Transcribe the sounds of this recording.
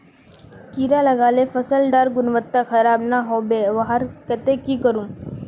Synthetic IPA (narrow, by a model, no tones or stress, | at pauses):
kiːɾalɐɡaːlefəsəlɖaːɾɡʊnʋət̪ːakʰɐɾaːbnaɦoːbeʋɐɦəɾkɐt̪ekikəɾũː